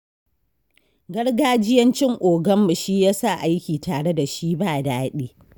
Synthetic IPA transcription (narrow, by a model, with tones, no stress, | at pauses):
ɡɐ˦ɽɡaː˦d͡ʒɪ˦jɐ˦nt͡ʃɪ˦ŋʔʷoː˨ɡɐ˦mːɐ˨ʃi˦jaː˦sa˦˨ʔa˦jkʲiː˨taː˨ɽe˦da˨ʃi˦baː˦˨daː˦ɗeː˦